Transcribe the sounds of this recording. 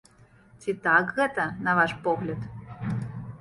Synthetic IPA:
t̪ʲit̪ɑkɣɤt̪ənɑvɑʃpoɣlʲət̪

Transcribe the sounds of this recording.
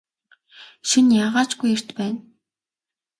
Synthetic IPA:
ʃinjaːʁaːt͡ɕɡujer̥t̪pæːn

